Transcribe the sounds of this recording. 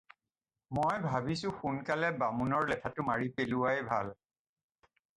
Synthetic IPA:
mojbʱabisʊ̃xunkalɛbamunɔɹlɛtʰatʊmaɹipelʊwajbʱa̰l

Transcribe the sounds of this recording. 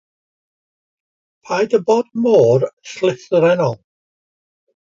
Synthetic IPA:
pʰajdəbɔːd̚moːrslˠɪθɾɛnɔlˠ

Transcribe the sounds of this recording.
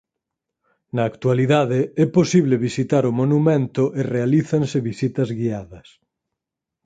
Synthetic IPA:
nɐːkt̪waliðaðeɛposiβleβisit̪aɾʊmonumɛ̃nt̪ʊʔerealiθɐnseβisit̪ɐzɣiaðɐs

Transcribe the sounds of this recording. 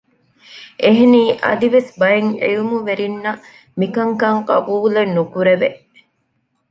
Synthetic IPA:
eɦeniːʔɐ̰d̪iʋesbɐjeŋḛjumuʋeɾinːɐ | mikɐŋkɐŋqɐ̰buːlenːukuɾeʋe

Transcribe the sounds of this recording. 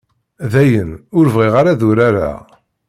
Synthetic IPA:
ðæjənʊɾvʁiʁaɾaðuɾaɾa̰

